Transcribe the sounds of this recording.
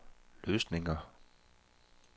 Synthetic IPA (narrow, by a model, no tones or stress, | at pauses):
løːsne̝ŋɐ